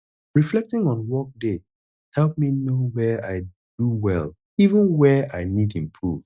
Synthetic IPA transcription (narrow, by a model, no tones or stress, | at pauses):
ɹiflɛk̚tɪ̃ŋɔ̃nwɔk̚de | hɛlˠp̚minowɛaɪ | d̥uwɛlˠ | ivə̃nwɛa̰ɪnidĩmpʰɹuv̥